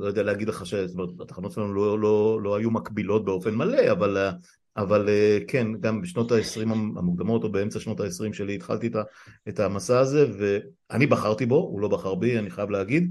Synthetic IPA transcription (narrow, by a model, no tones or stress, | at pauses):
lojodealeaɡid̪leχaʃestomeetat̪ḁχano̞tʃelanulolo̞lo̞ajumakbilo̞t̚be̞o̞fe̞nmale̞aval | avalekʰenɡambeʃno̞taesʁimaa̰mukd̪amo̞to̞beemt͡saʃno̞taesʁimʃe̞liːt̪χa̰lt̪ietaetamasaːze̞ve̞ | anibaχaʁt̪ibo̞ṵlo̞baχaʁbianiχajavleaɡid̪